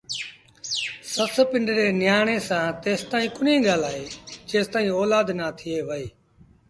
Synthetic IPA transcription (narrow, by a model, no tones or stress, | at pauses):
sət̪ʰpɪɳɖɾeːnɪjaːɳ̃eːsãːt̪eːst̪aːĩːkʊnẽːɡaːlaːɦeːd͡ʒeːst̪aːĩːɔːlaːd̪naːt̪ʰɪeːʋəeː